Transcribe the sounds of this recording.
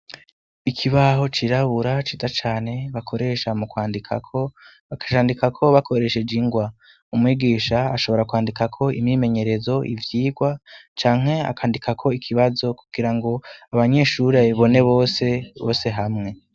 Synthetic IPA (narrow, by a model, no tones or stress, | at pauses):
ikʰiβaɦo̞t͡ʃiɾaβuɾat͡ʃitat͡ʃaːne̞βakʰo̞ɾe̞ʃamukwaːndikʰa̰kʰo̞ | βakḁʃaːndikakʰo̞βakʰo̞ɾe̞ʃed͡ʒiŋɡwa | umŋiːɡiːʃaːʃo̞βo̞ɾakwaːndikakʰo̞ḭmɲiːme̞ɲe̞ɾe̞zo̞ʔḭvjiːɡwat͡ʃaːŋ̥ɦe̞a̰kʰaːndikʰakʰo̞ikʰiβazo̞kuɡ̥iɾaŋɡo̞aβaɲe̞ːʃuɾeiβo̞ne̞βoːseβo̞ːse̞ɦamŋe̞